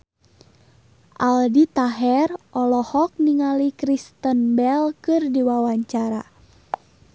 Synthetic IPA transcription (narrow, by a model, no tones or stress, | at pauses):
ʔaldit̪aɦɛrʔɔlɔhɔk̚niŋalikɾist̪ənbɛlkɨrdiwawaɲt͡ʃaɾa